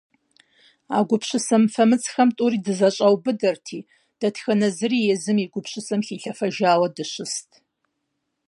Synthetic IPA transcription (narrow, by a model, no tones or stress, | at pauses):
aːɡʷʊpʰɕɪsɐmfɐmɨt͡sxɐmtʷʼuriːdɨzɐɕʼɐwbɨdɐrtʰiː | d̥ɐtxɐnɐzɨriːjɛzɨmiɡʷʊpʰɕɨsɐmɬiːɬɐfɐʒaːwɐdɨɕɪstʰ